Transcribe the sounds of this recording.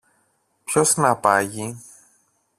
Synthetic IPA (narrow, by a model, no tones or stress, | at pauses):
pçosnɐpɐʝi